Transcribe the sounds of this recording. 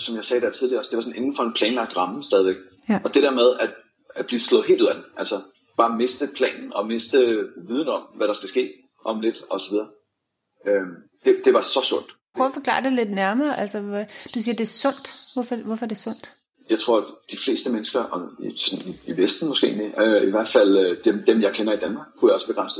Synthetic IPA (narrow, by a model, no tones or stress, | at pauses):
sɒ̽mjɑ̈ɪsɛːɾ̥æɐ̰t͡sʰiðˠliɐɒ̽sd̥e̝ʋɑ̈sɔ̽ne̝nn̩fɒ̽e̝npʰlɛːnlɑ̈ɡ̥̚d̥ʁɑ̈məsd̥ɛːð̞ˠiʋeɡ̥̚ | ɒ̽d̥e̝d̥æɐmeð̞ˠæd̥ | æ̥b̥liːslɔ̽ð̩ˠɦe̝ːlduð̰ˠæd̥emʔælsɒ | b̥ɑ̈ːme̝sd̥əpʰlɛ̰ːnn̩ɒ̽me̝sd̥əʋið̞ˠn̩ɒ̽mʋæɾ̥ɑ̈sɡ̥æsɡ̥e̝̰ː | ʔɒ̽mle̝d̥ɒ̽sɒʋið̞ˠɐː | ømd̥e̝d̥e̝ʋɑ̈sɒ̽sɔ̽n̰d̥pʰʁœʊfɒ̽kʰlɑ̰̈ːd̥e̝le̝d̥næɐmɐːʔælsɐd̥usiːɐd̥e̝æɐsɔ̽n̰d̥ʋɒfɒʋɒfɒd̥e̝sɔ̽n̰d̥ | jɑ̈ɪt͡sʰʁo̝ɐ̰d̥ifle̝̰ːsd̥əmenəsɡ̥ɐʔɒ̽isɒniiʋesd̥n̩mɒ̽sɡ̥e̝̰ːniiʋæɐ̰d̥fæl̰d̥emd̥emjɑ̈ɪkʰenɐid̥ænmɑ̈ːɡ̥̚kʰːujɑɒ̽sb̥e̝ɡ̥ʁan̰sə